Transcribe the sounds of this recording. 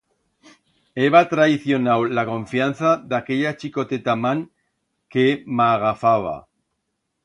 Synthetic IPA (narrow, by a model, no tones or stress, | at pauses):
eβat̪ɾaiθjo̞nawlakõ̞ɱfjan̟θaðake̞ʎat͡ʃiko̞t̪et̪amãŋ | kemaɣafaβa̰